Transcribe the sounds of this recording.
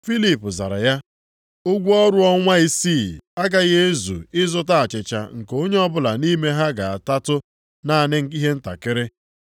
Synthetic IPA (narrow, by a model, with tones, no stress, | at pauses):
fi˦li˨pʊ˨za̰˨ɾa̰˨ja˦ | ʊ˦ɡʷu˦ɔ˦ɾʊ˦ɔ˦ŋʷa˦i˦si˦˨a˦ɡa˦ɣe˦zṵ˨ɪ˦zʊ˦ta˦a˨t͡ʃɪ˨t͡ʃa̰˨ŋ̩˨ko˦ɲe˦ɔ˦bʊ˦la˨ni˦me˦ɦa˦ɡa˨a˨ta˦tʊ˦ | na˦˨nɪ˦ŋ̩˨i˦ɦe˦n̩˦ta̰˨kɪ˦ɾɪ˦